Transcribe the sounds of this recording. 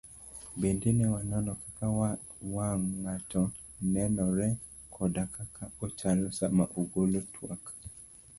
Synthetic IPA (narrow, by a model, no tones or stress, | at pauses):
bendenɛwanɔnɔkaka | waŋːatɔ | nɛnɔɾɛ | kʰɔdakakʰaot͡ʃalosamaʔoɡolotʰwak